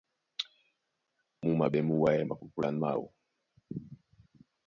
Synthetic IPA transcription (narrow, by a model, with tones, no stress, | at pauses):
mu˦ma˨ɓɛ˨mu˦wa˦jɛ˦ma˨ku˨ku˦la˨nma̰˨wṵ˨